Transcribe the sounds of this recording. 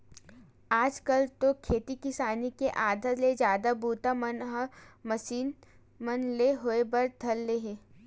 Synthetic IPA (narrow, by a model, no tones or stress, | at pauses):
aːd͡ʒkəlt̪okʰeːt̪ikɪsaːnikeʔaːd̪ʱəɾled͡ʒjaːd̪abʱuːt̪amənmɐsiːn | mənleɦoebɐɾd̪ʱɐlːeɦẽː